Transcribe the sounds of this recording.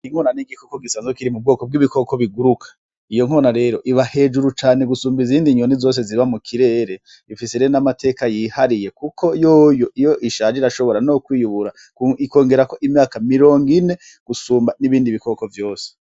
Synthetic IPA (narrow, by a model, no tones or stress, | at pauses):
iŋ̥honaniɡikokoɡisaːnzekiɾimub̚ɡoːkob̚ɡiβiko̞ko̞βiɡuɾukʰḁ | ijo̞ŋ̥oːnaɾe̞ːɾo̞ʔiβahe̞ːd͡ʒuɾut͡ʃaːne̞ɡusuːmbiziːndiɲonizo̞ːs̬e̞ziiβamukʰiɾe̞ːɾe̞ | ifiseɾeɾonamatʰe̞ːkajihaɾije̞kukʰo̞joːjoʔijoʔiʃaːd͡ʒeiɾaʃo̞βo̞ɾanokwiːjuβuɾa | kuiko̞ːŋɡe̞ɾako̞ʔimɲaːkamiɾo̞ːŋɡine̞ | ɡ̥usuːmbaniβiːndiβiko̞ko̞vjo̞ːse̥